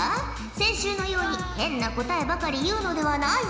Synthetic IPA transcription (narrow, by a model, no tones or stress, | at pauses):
sẽ̞ɰ̃ɕɨːno̞jo̞ːɲ̟ihẽ̞nːako̞t̪ae̞bakaɾʲijɯ̟ːno̞d̪e̞βanai